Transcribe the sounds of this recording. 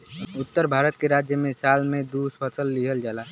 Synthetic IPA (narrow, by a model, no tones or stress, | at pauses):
ʊt̪ːəɾbʱaːɾət̪̚keɾaːd͡ʒjəmẽsaːlmẽd̪uspʰəsəlːiɦəld͡ʒaːla